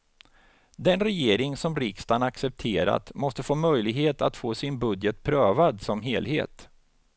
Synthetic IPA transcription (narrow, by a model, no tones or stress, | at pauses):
d̪ɛnɾɛjeːɾɪŋsɔmɾɪkst̪anaksɛp̚t̪ʰeːɾa̰t̪mɔst̪əfoːmœjlɪɡɦeːt̪a̰t̪foːsɪnbɵd̪jət̪̚pʰɾøːvad̪sɔmɦeːlhḛːt̪